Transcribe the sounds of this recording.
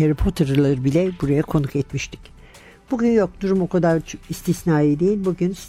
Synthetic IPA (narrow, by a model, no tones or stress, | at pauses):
eɾapʰot̪ʰaɾɯlˠaɾɯbilʲɛbuɾajakʰo̞nukɛt̪miʃt̪ʰi̥c | b̥uɟʲynjo̞k̚d̪uɾumo̞kʰad̪aɾist̪ʰisnaːed̪ejilʲbuɟyns